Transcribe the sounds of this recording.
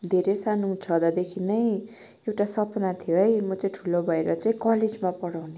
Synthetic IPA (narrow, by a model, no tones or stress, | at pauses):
d̪ʱeɾesanout͡sʰʌd̪ʌd̪ekʰinʌj | ewʈasʌpnat̪ʰijoɦʌjmʌt͡saĩʈʰulobʱʌeɾʌt͡saĩkʌled͡zmapʌɽawne